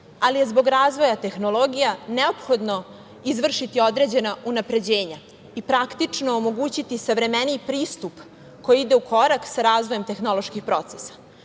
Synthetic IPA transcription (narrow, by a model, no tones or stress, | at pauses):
alije̞zbo̞ɡɾaːzʋo̞jat̪e̞xnolo̞ɡijaneopxo̞d̪no̞ | izʋr̩ʃit̪io̞d̪ɾe̞ːd͡ʑe̞naunapɾe̞d͡ʑe̞ːɲa | ipɾakt̪it͡ʂnoomo̞ɡuːt͡ɕit̪isaʋɾe̞menipɾiːst̪up | ko̞jiid̪e̞ukʰo̞ɾaksaɾaːzʋo̞jemt̪e̞xno̞lˠo̞ʃkixpɾo̞t̪sesḁ